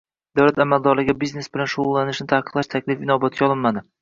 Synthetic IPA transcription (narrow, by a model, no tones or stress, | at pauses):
d̪awlat̪amald̪ɒɾlɪɡʲabizne̞sbɪlanʃʊʊlˠːanɪʃnɪt̪ʰahqɨ̥qlˠaʃt̪ʰakʲlɪfɪnɒbat̪̚kʲaɒlˠɪnmad̪ɪ